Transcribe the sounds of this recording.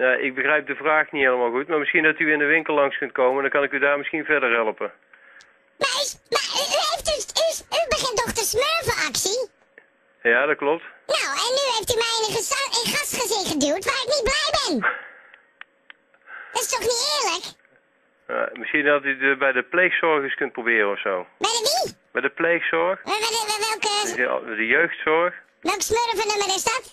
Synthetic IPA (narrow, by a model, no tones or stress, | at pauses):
naʔɪ̰ɡ̚bəɣrɛjp̚dəvraːxniɦejləmaːlˠɣutmaːɹmɪsxindɑtyɪndəʋɪŋkəlˠlɑŋskɵnt̚kowməndɑŋkɑnɪkydaːɹmɪsxinvɛɹdəɹɦɛlˠpən | maɪsmayyɦejftdəsysybəχɪntdɔχtəsmøːɹvəɑksi | jaːdɑt̚klɔp̚tnowɛnːyɦeftymɛjəəzɪχɑstχəzɪnχədywˠtʋaːrɪknit̚blɛjbɛn | dɪstɔχnitɪːɹlək | mɪsxindɑtydəbɛjdəplejxsɔɹɣəskɵnt̚probɪːrənɔfsowbɛjdəʋibɛjdəplejxsɔɹxʋəʋɪlʋəʋɛlˠkə̰ɛdəjøɥxtsɔɹx | ʋɛlˠkə̥smøɾəvɔndəməɾɪsdɑt